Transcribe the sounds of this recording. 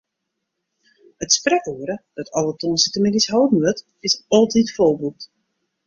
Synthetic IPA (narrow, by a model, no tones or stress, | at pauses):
ətsprɛkuəɾəd̥ɔtʰɔlˠətonsitəmɪɡisɦowdn̩ʋøt | ɪsɔlˠtitfolˠbut